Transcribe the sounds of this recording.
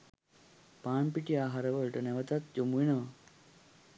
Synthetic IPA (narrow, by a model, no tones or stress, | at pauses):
paːɳpiʈijaːɦaɾəʋəɭʈənɛʋət̪at̪̚d͡ʒomuʋinəʋa